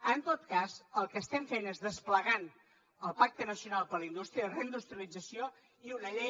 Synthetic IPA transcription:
ənt̪ot̪kazəlˠkəːst̪ɛmfenezðəspləɣan | əlˠpak̚t̪ənəsiunalˠpələind̪ust̪ɾiəðərəind̪ust̪ɾiəlid͡zəsio | iunəʎe

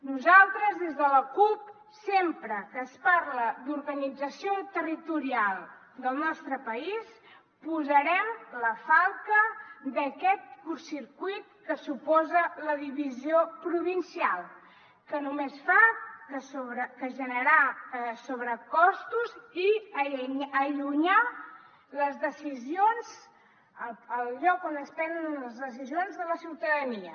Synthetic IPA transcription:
nuzalˠt̪ɾəzðezðələkup̚ | sempɾəkəspaɾləd̪uɾɣənid͡zəsiot̪ərit̪uɾialˠ | d̪əlˠnɔst̪ɾəpəis | puzəɾɛmləfalˠt̪əd̪əkɛt̪̚kursiɾkujt̪̚kəsupɔzələðiβiziopɾuβinsialˠ | kənumesfakəsoβɾəkəʒənəɾasoβɾəkɔst̪uzi | əʎuɲa | ləzðəsizionz | əəlʎɔkonəspɛnd̪ənənləzðəs̬izionzðələsiwt̪əðəniə

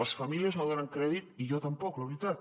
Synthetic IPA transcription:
əsfɐmiliəznoðonaŋkɾɛðit̪ijot̪əmpɔkləβɾit̪at̪

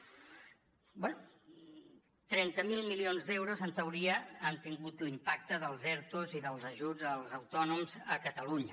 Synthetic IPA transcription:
bwɛnu | t̪ɾɛnt̪əmilˠmilionzd̪ewɾuzənt̪əwɾiəant̪iŋɡut̪limpak̚t̪əðəlˠzɛɾt̪uziðəlˠzəʒud͡zəlˠzəwt̪ɔnumzəkət̪əluɲə

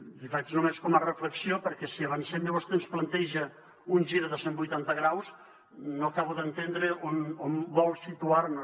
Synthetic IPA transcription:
ifat͡ʃnumeskɔmərəfləksiopəɾkɛsiəβənsɛmjəβɔst̪ensplənt̪ɛʒə | unʲʒiɾðəsembujt̪ant̪əɣɾaws | nːokaβuðənt̪end̪ɾəʔonombɔlˠsit̪uarnu

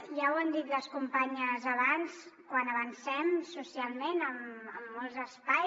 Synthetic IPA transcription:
ʒawənd̪it̪ləskumpaɲəzəβanskwanəβənsɛmsusialˠmenəməmːɔlˠzəspaj

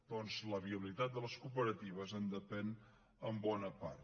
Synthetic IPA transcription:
d̪̥ɔnzləβiəβilit̪at̪̚d̪ələskupəɾət̪iβ̞əzənd̪əpɛn | əmbɔnəpa̰r

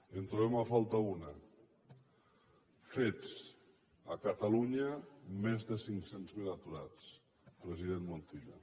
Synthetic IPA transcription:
ent̪ɾuβemafalˠt̪auna | fet͡s | a̰kat̪aluɲamezðesiŋsenzmilat̪uɾat͡s | pɾeziðenmont̪iʎa̰

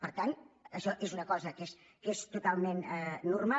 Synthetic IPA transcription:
pəɾt̪anəʃɔʔezunəkɔzəkes | kest̪ut̪alˠmenɛːurma

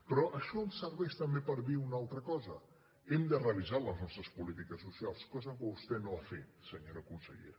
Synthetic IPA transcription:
pɾɔʔəʃɔənsəɾβɛʃt̪əmbepəɾðiunalˠt̪ɾəkɔzə̰ | ɛmd̪əreəlizaləznɔst̪ɾəspulit̪ikəsːusialˠskɔzəkəust̪ɛnoafet̪̚səɲoɾəkunsəʎḛɾə

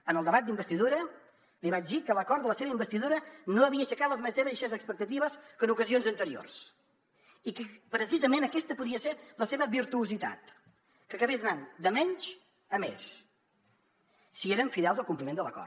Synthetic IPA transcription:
ənəlˠd̪əβat̪d̪imbəst̪iðuɾə | liβad͡ʒd̪ikələkɔɾt̪ələseβəimbəst̪iðuɾənoəβiəʃəkat̪̚ləzməzeβəðiʃezəkspək̚t̪ət̪iβəskənukəzionzənt̪əɾio̰rs | ikəpɾəs̬izəmenəkɛst̪əpuðiəseləseβəβiɾt̪uuzit̪a̰t̪ | kəkəβezənand̪əmɛɲt͡ʃ | əmḛs | ieɾəɱfiðɛlˠzəlˠkumplimend̪ələkɔ̰r

